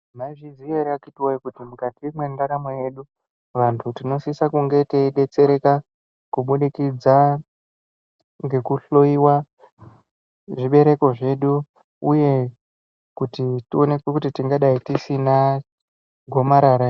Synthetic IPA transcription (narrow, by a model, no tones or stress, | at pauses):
maiʐizieɾakitiwaikutimukatimwe̞ndaɾamo̞je̞ɗu | ʋantʰutino̞sisakuŋɡe̞teɗe̞t͡se̞ɾe̞ka | kuɓuɗikid͡za | ŋɡe̞kuɬo̞iwa | ʐiɓe̞ɾe̞ko̞ʐe̞ɗu | uje̞ | kutitio̞ne̞kwekutitiŋɡaɗaitisina | ɡʱo̞maɾaɾa